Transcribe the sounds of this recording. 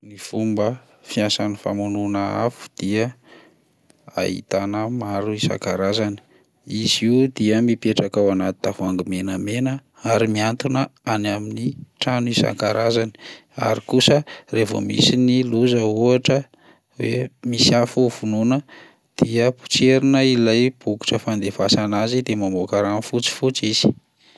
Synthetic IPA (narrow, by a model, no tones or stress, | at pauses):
nifumbə | fiasanifa̰mununəa̰fu̥d̪̥iə | a̰ɦḭt̪anəmaɾuisa̰ŋkaɾazani̥ | iziud̪iəmipeʈ͡ʂakawanat̪i̥t̪afuaŋɡimenəmenə | aɾimiant̪unəanaminiʈ͡ʂanuisa̰ŋkaɾʔazani̥a̰ɾikusərevo̰mḭsiniluzəuaʈ͡ʂə | wḛmisiafuv̥ununə | d̪̥iəpu̥t͡seɾinəilajb̥uku̥ʈ͡ʂəfand̪efasanazid̪emambokaɾanifut͡si̥fut͡siz̥i̥